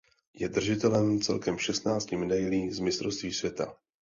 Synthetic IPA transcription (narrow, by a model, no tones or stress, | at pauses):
jɛd̪r̩ʒɪt̪ɛlɛmt͡sɛ̰lkɛmʃɛst̪naːt͡scɪmɛdajliːzmɪst̪ɾofst̪viːsvjɛt̪a̰